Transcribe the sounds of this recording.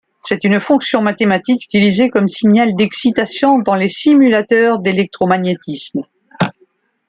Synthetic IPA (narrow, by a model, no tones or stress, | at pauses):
sɛt̪ynfɔ̃ksjɔ̃mat̪emat̪iky̥t̪ilizekɔmsiɲald̪ɛksit̪asjɔ̃d̪ɑ̃lesimylat̪œʁd̪elɛk̚t̪χɔmaɲjet̪ism